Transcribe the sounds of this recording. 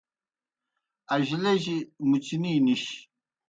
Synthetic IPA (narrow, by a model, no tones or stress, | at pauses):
ɐʑileʑimut͡ɕininiɕ